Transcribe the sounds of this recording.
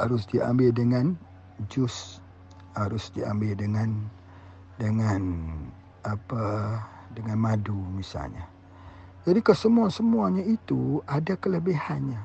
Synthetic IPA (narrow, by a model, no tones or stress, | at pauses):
haɾʊsdiʔa̰mbɪldəŋan | d͡ʒʊs | haɾʊsdia̰mbɪldəŋan | dəŋan | apa | dəŋanmadumisa̰lɲa̰ | d͡ʒadikasəmuasəmuaɲait̪uadakələbihanɲa